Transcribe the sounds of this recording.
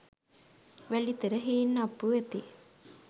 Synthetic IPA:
ʋælit̪əɾəɦiːnːapːuʋet̪i

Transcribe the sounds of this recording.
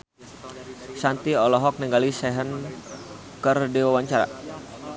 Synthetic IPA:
sant̪iɔlɔɦɔk̚niŋɡalisɛɦən | kərdewawaɲt͡ʃaɾa̰

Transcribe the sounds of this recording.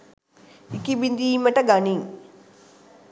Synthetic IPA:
ikibind̪iːməʈəɡaniŋ

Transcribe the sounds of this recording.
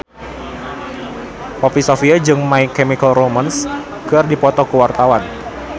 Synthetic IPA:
pɔpisofiad͡ʒɨŋmaikɛmikəlroməns | kɨrdipɔt̪ɔkəwart̪awan

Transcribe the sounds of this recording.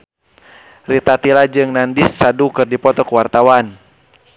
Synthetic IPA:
rit̪at̪ilad͡ʒɨŋnandisːadukɨrdipɔt̪ɔkuwart̪awan

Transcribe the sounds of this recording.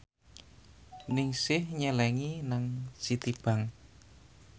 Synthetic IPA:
nɪŋsɪhɲɛlɛŋinaŋsit̪ib̥a̤ŋ

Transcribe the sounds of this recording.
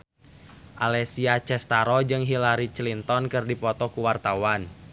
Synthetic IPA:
ʔalɛsiat͡ʃɛst̪aɾɔd͡ʒɨŋɦilaɾit͡ʃlint̪ɔnkɨrdipɔt̪ɔkuwart̪awan

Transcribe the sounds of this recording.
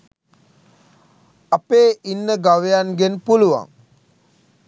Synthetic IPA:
apeːʔinːəɡaʋejanɡenpuluʋa̰ŋ

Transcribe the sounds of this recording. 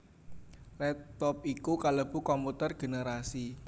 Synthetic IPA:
lɛt̪ɔp̚ikukaləb̥ṳkɔmput̪ərɡ̥e̤neɾasi

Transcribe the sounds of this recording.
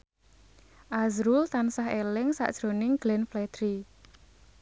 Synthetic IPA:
ʔazɾult̪ansaɦelɪŋsa̰ʔd̥ʒ̥ɾonɪŋɡ̥lɛnflɛd̪̥ɾi

